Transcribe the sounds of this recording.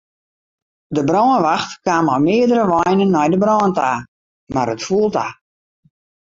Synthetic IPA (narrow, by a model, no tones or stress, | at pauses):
dəbrɔːənʋaxtkaːmɔmɪədəɾəʋɔjnənːɔjdəbrɔːəntaː | maɾətfuəlˠta